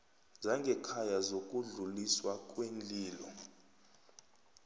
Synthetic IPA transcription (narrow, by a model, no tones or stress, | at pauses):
zaŋɡʱɛkʰajazok̬ʼuɮuliswak̬ʼwend͡ɮʼiːlɔ